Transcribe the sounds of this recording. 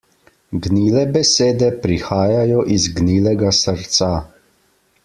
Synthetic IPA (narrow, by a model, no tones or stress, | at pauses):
ɡniːlɛbɛseːd̪ɛpɾixaːjajɔʔizɡniːlɛɡasəɾt̪sa